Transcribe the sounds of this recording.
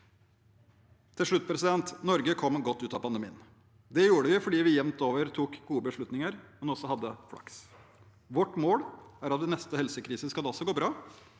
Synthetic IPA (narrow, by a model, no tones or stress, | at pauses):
t̪ʰɪlʂɭʉt̪̚ːpʰɾɛsɪd̪ɛnt̪nɔɾɡəkʰɔmːɡɔt̪ːʉːt̪ɑpɑnd̪əmḭːən | d̪ɛjuːɖəʋɪfɔɖiːʋɪjɛmt̪oːʋəɾt̪ʰuːkɡuːəbəʂɭʉt̪nɪŋəɾmɛnɔsɔhɑd̪ːəflɑ̰ks | ʋɔʈmoːɽæɾɑt̪̚d̪ɛnɛst̪əhɛlsəkʰɾiːsəskɑd̪ɔsɔɡoːbɾɑː